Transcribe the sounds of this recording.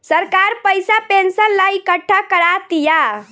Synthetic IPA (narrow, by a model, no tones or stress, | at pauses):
səɾkaɾpəjsapensənlaikəʈʰːakəɾat̪ja